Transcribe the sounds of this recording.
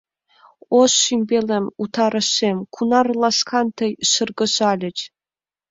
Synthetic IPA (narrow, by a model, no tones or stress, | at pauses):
osːimʲbʲelemut̪ʰɑɾə̆ʃemkʰunɑrlˠɑskʰɑnt̪ʰəjʃərɡə̆ʑɑlʲɘ̆t͡ɕ